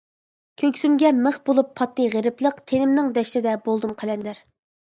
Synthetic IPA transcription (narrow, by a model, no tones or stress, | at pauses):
kʲʰøkʲsymɡʲɛməχbolˠupʰːɑt̪ːɨʁeɾɪplˠəqt̪ʰenɪmnɪŋd̪ɛʃt̪ɪd̪ɛbolˠd̪umqʰəlɛnd̪ɪɾ